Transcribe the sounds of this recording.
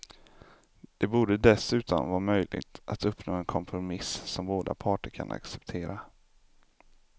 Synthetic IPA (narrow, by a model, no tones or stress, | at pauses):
d̪̥ɛbuːɖəd̪ɛsʉ̟ːt̪ɔ̰nvɑːmœjlʔɪ̰ɡ̚t̪ʔat̪ɵpnoːɛnkʰɔmpʰɾʊmɪssɔmboːd̪a̰pʰɑːʈəɾkʰa̰nʔa̰ksɛpt̪ʰeːɾa